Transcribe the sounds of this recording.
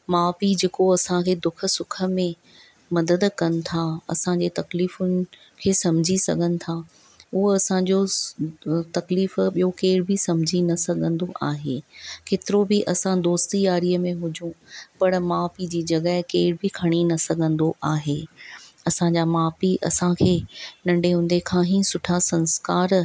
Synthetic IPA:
maːfid͡ʑeːkoɐsãkʰeːd̪ʊkʰə̆sʊkʰə̆mẽ | mɐd̪əd̪kɐnɪ̆t̪ʰaɐ̰sãd͡ʑet̪ɐkliːfʊnɪ̆ | kʰeːsɐm̤d͡ʑʱisɐ̰ɡʱənɪ̆t̪ʰa | ʊɦɐsãɲd͡ʑo | t̪ɐkliːfɓijokeːɪɽɪbɪsɐ̃m̤d͡ʑʱinɐsɐɡʱə̃nd̪oʔaːɦeːkeːt̪ɪɾobɪʔɐsãd̪oːst̪ijaːɾijəmẽɦʊd͡ʑʱũpɐɽ̃maːfid͡ʑiːd͡ʑɐɡəɦɪkeːɪɾɪbɪkʰɐɽ̃inɐsɐɡʱə̃nd̪oʔaːɦeːɐsãɲd͡ʑaːmaːfiʔɐ̰sãkʰeːnɐ̃ɳɖeɦʊ̃nd̪ekʰãːɦĩsʊʈʰasɐ̃nskaːɾ

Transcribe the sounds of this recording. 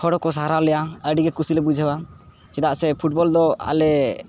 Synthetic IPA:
kʰɔɽɔkɔs̬aɾalɛjaəɖiɡɛkusilɛbud͡ʒʱəwa | t͡ʃɛd̪aʔsɛpʰuʈ̚bɔld̪ɔa̰lɛ

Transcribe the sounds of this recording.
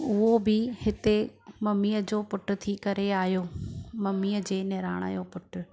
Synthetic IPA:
ʊɦobɪhɪt̪emɐmiːəd͡ʑoːpʊʈʊ̆t̪ʰikɐɾeaːɦjoːmɐmiːəd͡ʑeːnɛɾaːɽ̃a̰ːjopʊʈʊ

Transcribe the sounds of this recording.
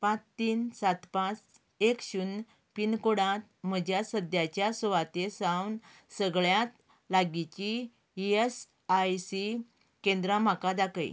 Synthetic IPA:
pãt͡st̪iːnsat̪pãt͡s | ekɕuːn | pinkoɽãt̪̚m̤əd͡ʑjasəd̪jat͡ɕjasɔʋat̪esawn | səɡɭjãt̪ | laɡit͡ɕi | es | ajsi | kẽnd̪ɾam̤akad̪akə̰j

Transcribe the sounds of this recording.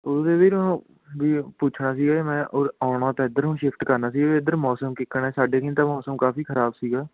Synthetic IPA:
oːd̪eːʋiːɾ̃ | ʋiːpuːt͡ʃʰnaːsiːɡaːemɛ̃ːʔoːɾaːʊɽãːt̪ãːɪd̪əɾɦũːʃɪfʰʈkəɾnaːs̬iːɡaːeɪd̪əɾmɔːsəmkɪkːəɳɛːsaːɖeːkɪ̃nt̪ãːmɔːsəmkaːfiːkʰəɾaːbsiːɡaː

